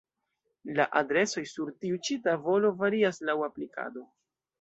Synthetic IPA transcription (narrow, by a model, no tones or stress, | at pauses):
laʔadɾe̞so̞jsuɾtiut͡ʃitavo̞lo̞vaɾiaslawaplika̰do̞